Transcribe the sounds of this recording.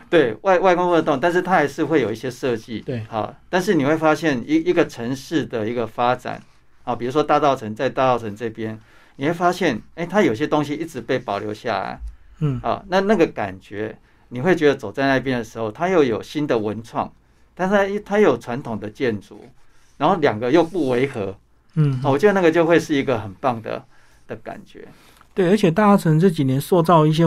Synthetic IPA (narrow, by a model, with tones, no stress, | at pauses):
t̪we˥˩ɪwʔa˥˧ɪwa˥˩ɪkɔ˥ŋfo˥˧nd̪ə˧t̪ʊ˥˨ŋt̪a˥˧nʂ̬ɻ̩˥˩t̪ʰa˥xa˧˥ɪʂɻ̩˥˧xwe˥˩ɪjo˨˩ʊi˥˩ɕjɛ˦˥ʂɤ˥˧t͡ɕi˥˨˩hɑ̰˨˩t̪a˥˧nʂ̬ɻ̩˥˩ni˨˩xwe˥˩ɪfa˥ɕjɛ˥˩ni˧i˧˦ɡə˨ʈ͡ʂʰə˧˥ŋʂɻ̩˥˩d̪ə˩i˧˥ɡə˨fa˦ʈ͡ʂa̰˨˩˦n | hɑ˨˩pi˨˩u˧˥ʂwɔ˦˥t̪a˥˧t͡sɑ˥˩ʊt͡sʰə˧˦ŋt͡sa˥˧ɪt̪a˥˧t͡sɑ˥˩ʊt͡sʰə˧˦nt͡sɤ˥˩pjɛ˦n | ni˨˩xwe˥˩fa˥ɕjɛ˥˩ne˥˩t̪ʰa˥jo˨˩i˧ɕjɛ˥t̪o˥ŋɕ̬i˧ʔi˥˩ʈ͡ʂɻ̩˧˩˦pe˥˩ɪpɑ˨˩ʊljo˧ʊɕja̰˥˩la̰˨˩˦ɪhɑ̰˨˩na˥˧na˥˩ɡə˨ka̰˨˩nt͡ɕɥɛ˧˥ | ni˨˩xwe˥˩t͡ɕɥɛ˧˥d̪ə˨t͡so˨˩ʊt͡sa˥˧ɪna˥˧˩p̬jɛ˥˦nd̪ə˨˩ʂɻ̩˧˥xo˥˧ʊt̪ʰa˥jo˥˩ʊjo˨˩ʊɕi˦nd̪ə˨wə˧˦nt͡sʰwɑ̰˥˩ŋ | t̪ʰa˥˧n˥t̪ʰa˥je˥jo˨˩ʊʈ͡ʂʰwa˧˦nt̪ʰʊ˨˩ŋd̪ə˩˨t͡ɕjɛ˥˩nʈ͡ʂṵ˨˦ | ɻa˧˦nho˥˩ljɑ˨˩ŋɡə˦jo˥˧ʊpu˥˩we˧˥ɪxɤ˧˦˨ | wɔ˨˩t͡ɕɥɛ˦d̪ə˧na˥˨ɡə˨t͡ɕjo˥˧ʊxwe˥˧ɪʂɻ̩˥˩i˧˥ɡə˨xə˨˩npɑ˥˩ŋd̪ə̰˩ | d̪̥ə˩ka̰˨˩nt͡ɕɥɛ̰˧˥˦ | t̪we˥˩ɪə˞˧˥t͡ɕʰɛ˨˩t̪a˥˧t͡sɑ˥˩ʊt͡sʰə˧˦nt͡sɤ˥˨t͡ɕi˨˩njɛ˧˦nswɔ˥˧t͡sɑ˥˧ʊi˥˩ɕ̬jɛ˥